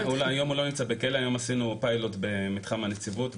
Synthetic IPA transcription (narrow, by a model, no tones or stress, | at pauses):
uljo̞mulo̞nimt͡sabekeleajo̞masinupajlo̞tbe̞mitχamanet͡sivut